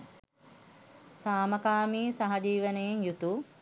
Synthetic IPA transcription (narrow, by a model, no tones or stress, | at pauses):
saːmɐkaːmiːsaɦad͡ʒiːʋənejeŋjut̪u